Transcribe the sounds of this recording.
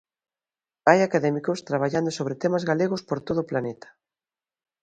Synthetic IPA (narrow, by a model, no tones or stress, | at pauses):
ajakaðɛmikʊst̪ɾaβ̞aʎand̪osoβ̞ɾet̪ɛmazɣaleɣʊspoɾt̪oðoʊːplanet̪ḁ